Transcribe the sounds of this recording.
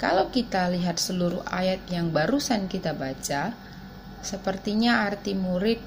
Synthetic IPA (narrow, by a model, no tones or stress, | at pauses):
kalawkit̪aliɦat̪̚səluɾuha̰jat̪̚jaŋbaɾusankit̪abat͡ʃa | səpərt̪iɲaart̪imuɾɪp̚